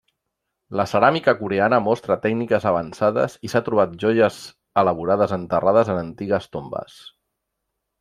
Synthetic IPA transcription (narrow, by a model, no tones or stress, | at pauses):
ləsəɾamikəkuɾeanəmɔst̪ɾət̪ɛɡnikəzəβ̞ənsaðə̰zisat̪ɾuβ̞at̪̚ʒɔʒəz | ələβ̞uɾaðəzənt̪əraðəzənənt̪iɣəst̪ombə̰s